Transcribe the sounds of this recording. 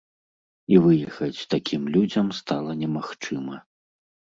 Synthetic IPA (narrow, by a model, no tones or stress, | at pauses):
ivɨjɛxɐt͡sʲt̪akʲʰimlʲud͡zʲɐmst̪alˠɐnʲɛmaxt͡ʂɨmɐ